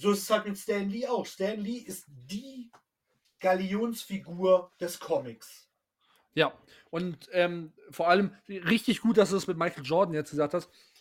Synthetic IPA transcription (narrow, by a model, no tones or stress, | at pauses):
zoːɪsə̥shalt̚mɪtstɛnliːaʊxstɛnliʔɪst̚d̥iː | ɡ̥alioːnsfiɡuːɐd̥ɛskʰɔmɪks | jaː | ʔʊntʔɛːmfoːɐʔaləmʁɪçtɪçɡ̥uːt̚d̥asd̥uːdɛsmɪt̚maɪkl̩d͡ʒɔɐdn̩jɛt͡stɡ̥əzaːk̚thast